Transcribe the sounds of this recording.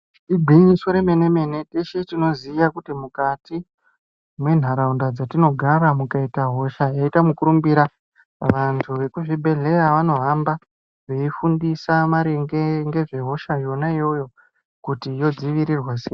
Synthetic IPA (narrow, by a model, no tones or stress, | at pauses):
iɡʱiɲisoɾeme̞ne̞me̞ne̞teʃetino̞zijakutimukati | mwe̞n̤aɾaundad͡zatino̞ɡʱaɾamukaitaɦo̞ʃajaitamukuɾumbiɾa | ʋantʰuʋe̞kuʐibʱe̞ɮe̞ɾaʋano̞ɦamba | ʐe̞ifundisamaɾiŋɡeŋɡe̞ʐe̞ɦo̞ʃajo̞naijo̞jo̞ | kutijo̞d͡ziʋiɾirwase